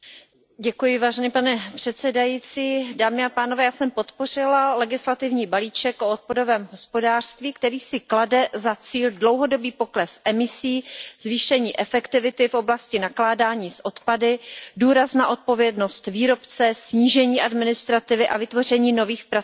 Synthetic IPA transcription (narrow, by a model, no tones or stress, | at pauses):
ɟɛkujɪvaːʒɛnipanɛpr̥ɛt̪sɛdajiːt͡siːdaːmɪapaːnovɛːjaːsɛmpot̪po̞r̝ɪlalɛɡɪslat̪ɪvɲiːbaliːt͡ʃɛkʔo̞ot̪̚pado̞vɛːmɦo̞spo̞daːr̥st̪viːkt̪ɛɾiːsɪkladɛzat͡siːldlo̞wɦo̞do̞biːpo̞klɛsʔɛmɪsiːzviːʃɛɲiːʔɛfɛkt̪ɪvɪt̪ɪfʔo̞blascɪnaklaːdaːɲiːsʔo̞t̪padɪduːɾasnaʔo̞t̪̚po̞vjɛdno̞st̪viːɾo̞pt͡sɛsɲiːʒɛɲiːʔadmɪnɪst̪ɾat̪ɪvɪʔavɪt̪vo̞r̝ɛɲiːno̞viːxpɾa